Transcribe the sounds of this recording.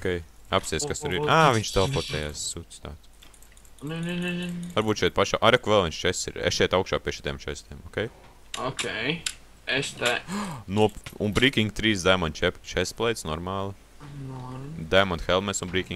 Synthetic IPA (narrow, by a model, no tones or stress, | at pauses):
okʲejapsʲiɛskast̪uɾiɾaːviɲʲʃt̪ɛlˠpɔt̪ɛjaːssut̪st̪a̰ːt̪ | nnvaɾbuːt̪ʃɛjt̪̚paʃa̰ːʔaɾɛkuvɛlˠviɲnʃt͡ʃɛsḭɾḛsʃɛjt̪awkʃaːpiɛʃit̪ʲɛːmt͡ʃɛst̪ʲɛːmɔːkʲɛj | ɔkʲej | est̪ɛnuɔunbɾiːkʲiŋɡt̪ɾiːsd̪ajmɔnt̪t͡ʃɛt͡ʃɛsplˠɛjt̪snɔɾmaːlˠi | nd̪ajmɔnt̪xɛlˠmɛsunbɾiːkʲĩŋɡ